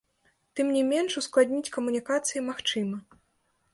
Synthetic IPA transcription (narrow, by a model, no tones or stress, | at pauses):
t̪ɨmnʲimʲɛnʂusklˠad̪ʲnʲit͡sʲkɐmunʲikat̪sɨjimaxt͡ʂɨmɐ